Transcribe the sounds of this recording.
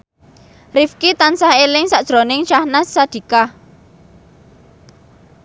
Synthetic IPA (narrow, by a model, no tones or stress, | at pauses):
rifkit̪ansahelɪŋsaʔd̥ʒ̥ɾonɪŋt͡ʃahnasːad̪̥i̤ka